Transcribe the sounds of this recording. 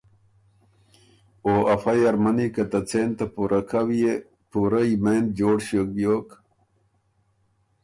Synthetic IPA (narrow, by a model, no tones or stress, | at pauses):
oːʔɐfajɐɾmɐnikɐt̪ɐt͡seːnt̪apuːɾʔakʰawije | puɾaimeːnd̪̚d͡ʑoːɽɕokjoːk